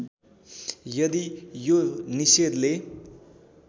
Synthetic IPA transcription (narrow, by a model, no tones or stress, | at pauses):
jʌd̪ijonised̪le